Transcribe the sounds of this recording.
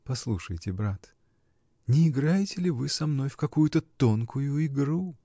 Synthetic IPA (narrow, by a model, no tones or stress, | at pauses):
pɐslˠuʂəjtʲɪbɾat̪ | nʲɪːɡɾajɪtʲɪlʲɪvɨsɐmno̞jfkɐkujʊt̪ət̪o̞nkʰʊjʊɪɡɾu